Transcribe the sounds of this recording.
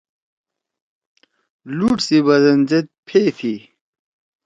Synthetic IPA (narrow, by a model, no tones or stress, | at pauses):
luːʈsibɐzɐnd͡ʑet̪̚pʰeːt̪ʰi